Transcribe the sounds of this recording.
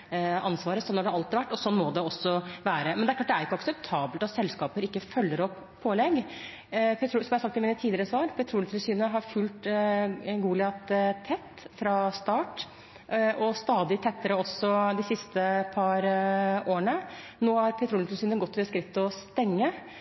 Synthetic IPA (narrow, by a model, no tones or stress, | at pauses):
ɑnsʋɑːɾəsɔnːɑɖɛæɑlt̪ːʋæʈːɔsɔnːmɔd̪ɛɔsːɔʋæːɾəmɛnd̪ɛæɾklɑːʈd̪æɾjɪkːəɑksɛp̚t̪ʰɑːbəlt̪ɑt̪sɛlskɑːpəɾɪkːəfœlːəɾɔpːʰoːlɛɡ | pʰɛt̪ʰɾuːsɔmɑæɾsɑk̚t̪ɪmiːnət̪ʰiːlɪɾəsɑːɾpʰɛt̪ʰɾuːlt̪ʰlsyːnəɦɑɾfʉlt̪ | ɡuːlɪɑt̪t̪ʰɛt̪ːfɾɑst̪ɑːʈ | ɔst̪ɑːd̪ɪt̪ʰɛt̪ːəɾəɔsːɔd̪ɪsɪst̪əpʰɑɾoːəɳə | noːhɑɾpʰɛt̪ʰɾuːlɪlsyːnəɡɔt̪ːəskɾɪt̪ːɔst̪ɛŋːə